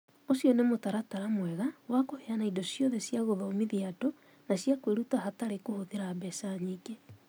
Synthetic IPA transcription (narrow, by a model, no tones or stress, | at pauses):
osijɔnemotaɾataɾamwɛɣawakoheanaidɔsjɔðɛsjaɣoðaomiðiato | nasjakweɾutaɦataɾekohoðeɾaːbɛsaɲike